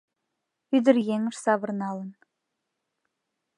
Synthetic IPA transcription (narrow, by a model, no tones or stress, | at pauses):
yd̪ɪɾjeŋɪʃsɑβəɾnɑlˠən